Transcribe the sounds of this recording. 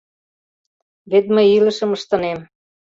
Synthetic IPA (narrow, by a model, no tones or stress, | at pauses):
βet̪məjilə̆ʃə̆məʃt̪ɤ̆nem